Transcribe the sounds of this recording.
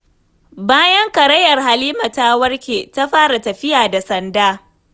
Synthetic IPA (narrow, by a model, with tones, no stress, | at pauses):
baː˦jɐ˦ŋkɐ˨ɾɐ˦jɐ˨rɦa˨liː˦ma˨ta˦wɐ˦rkʲeː˨ta˦ɸaː˦ɾa˨tɐ˨ɸɪ˦jaː˨da˨sɐ˨ndaː˦